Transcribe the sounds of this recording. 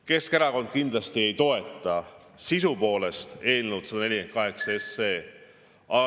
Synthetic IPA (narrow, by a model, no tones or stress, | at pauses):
ke̞skeɾɑko̞nd̪̚kind̪̥lɑst̪ie̞jt̪o̞e̞t̪ːˑɑ | sisupo̞ːle̞st̪e̞ːnewd̪sɑd̪ɑne̞lʲiken̚kɑɦe̞ksɑesːeː | ɑ